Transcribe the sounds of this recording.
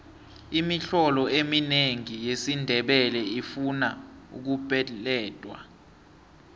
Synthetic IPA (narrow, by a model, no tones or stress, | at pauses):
imiɬɔlɔemineŋijesindʱɛɓɛlɛifunaṵk̬ub̥ʱɛlɛːd̥ʼwa̰